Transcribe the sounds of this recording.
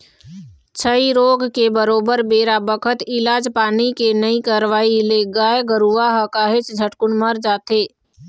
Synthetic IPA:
t͡ʃʰəiɾoːɡkebəɾoːbəɾbeːɾabəkʰət̪ɪlaːd͡ʒpaːnikenəikaɾʋaːileɡaːjɡəɾuaɦəkaːɦɪt͡ʃd͡ʒʱəʈkʊnməɾd͡ʒaːt̪eː

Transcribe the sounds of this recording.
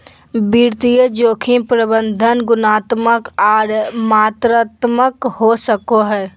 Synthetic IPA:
biɾt̪ijəd͡ʒoːkʰĩpɾəbə̃nd̪ʱənɡʊnaːt̪məkɔːɾmaːt̪ɾaːt̪məkɦosəkoɦɛː

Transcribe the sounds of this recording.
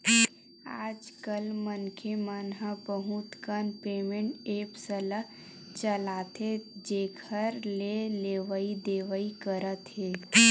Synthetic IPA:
aːd͡ʒkəlmənkʰemənɦabəɦut̪kənpeːmẽɳʈeːpsələ | t͡ʃəlaːt̪ed͡ʒeːkʰəɾleleːʋəid̪eːʋəikəɾət̪ɦeː

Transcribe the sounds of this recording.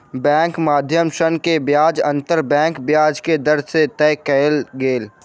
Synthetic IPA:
bɛ̃ːŋkmaːd̪ʱjəmʃənkebjaːd͡ʒə̃nt̪əɾbɛ̃ːŋkbjaːd͡ʒked̪əɾset̪ɛːkɛlɡeːl

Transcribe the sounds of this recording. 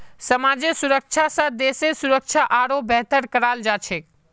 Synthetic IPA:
səmad͡ʒesuɾək̚t͡ʃʰasə̃d̪eːsesuɾək̚t͡ʃʰaʔaɾobɛɦt̪əɾkəɾald͡ʒat͡ʃʰek

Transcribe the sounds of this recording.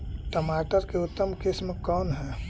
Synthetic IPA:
ʈəmaʈəɾkeʊt̪ːəmkismekɔːnɦɛː

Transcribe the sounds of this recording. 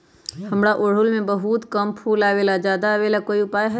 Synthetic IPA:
hɐmɽaʔoɽ̤ʊlmẽbəɦuːt̪kəmpʰuːlaːʋelad͡ʒjaːd̪aʋeːlakoːiʊpaːjɦɛ

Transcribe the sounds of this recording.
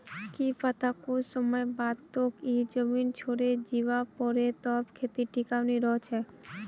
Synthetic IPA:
kipat̪ʰakosɔmɔebad̪t̪okid͡ʒəmint͡ʃʰoɾed͡ʑiʋapɔɾet̪ɔbkʰet̪iʈikawniɾɔt͡ʃʰe

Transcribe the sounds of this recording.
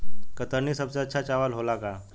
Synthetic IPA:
kət̪əɾniːsəbt͡sat͡ɕʰat͡ɕaʋəlɦolaka

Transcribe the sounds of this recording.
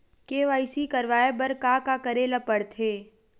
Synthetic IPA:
keːʋaːisikɐɾʋaːebɐɾkakakəɾeːlapəɽt̪ʰeː

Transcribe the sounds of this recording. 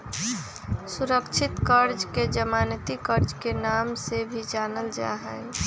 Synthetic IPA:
suɾəkt͡ʃʰɪt̪kəɾd͡ʒked͡ʒəmanət̪ikəɾd͡ʒkenamsebʱid͡ʒanəld͡ʒa̰ɦəj

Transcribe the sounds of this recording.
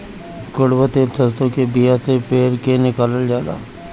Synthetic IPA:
kʊɽbət̪elsəst̪õkebijasepeːɾkenɪkaːləld͡ʒaːla̰ː

